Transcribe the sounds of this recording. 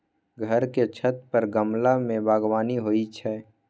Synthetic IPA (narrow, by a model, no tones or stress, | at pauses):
ɡʱəɾket͡ʃʰət̪pəɾɡəmlamẽbaːɡwaːniɦoːit͡ʃʰɛː